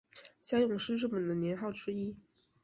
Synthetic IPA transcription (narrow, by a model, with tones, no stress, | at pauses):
ɕja˥jʊ˥˩ŋʂɻ̩˥˧ʈ͡ʂɤ˥˩mə˨˩nd̪ə˩njɛ˧˥nxɑ˥˩ʊʈ͡ʂɻ̩˥i˥